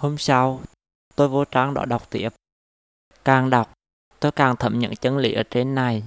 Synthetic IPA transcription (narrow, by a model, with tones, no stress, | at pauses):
ho˧msa˧w | t̪o˧jvo˨˦t͡ɕaː˨˦ŋɗɔ̰˧˥ɗa˨˩wk͡p̚t̪i˧˩əp̚ | kaː˨˩ŋɗa˨˩wk͡p̚ | t̪o˧jkaː˨˩ŋt̪ʰə˧˩mɲə̰˧˨˥ŋt͡ɕə˨˦nlḭ˧˥ʔəː˧˩t͡ɕe˧nːa˨˩j